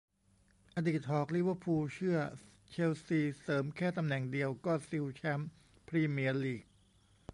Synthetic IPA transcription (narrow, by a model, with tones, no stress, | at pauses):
ʔa˧diː˨˩t̪̚hɔː˨˩k̚li˦˥ʋəː˧˥pʰuː˧t͡ɕʰɯ˥˩ɐ | t͡ɕʰe˧wsiː˧sɤː˩˦mkʰɛː˥˩t̪a˧mnɛ˨˩ŋdi˧əwkɔː˥˩si˧wt͡ɕʰɛ˦˥m | pʰɾiː˧mi˧əliː˨˩k̚